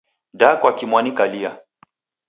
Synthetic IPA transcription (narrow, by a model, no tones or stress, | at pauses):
dakwakimwanikalia